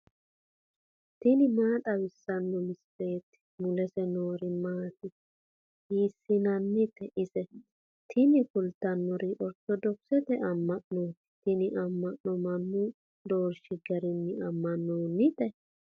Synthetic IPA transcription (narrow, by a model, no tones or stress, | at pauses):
t̪ɪnɪmaːt̪ʼɐwɪsːɐnːɔmɪsːe̞ːt̪ɪ̥mʊlɛsɛnoːɾɪmaːt̪ɪ | hiːsːɪnɐnːɪt̪ɛʔɪsɛ | t̪ʰɪnɪkʊlt̪ɐnːɔɾiʔɔɾt̪ːɔd̪ɔksɛt̪ɛʔɐmːɐʔnoːt̪t̪ɪnɪʔɐmːɐʔnɔmɐnːʊ | d̪o̞ːɾʃɪɡɐɾɪnːɪɐmːɐnːoːnːɪt̪ɛ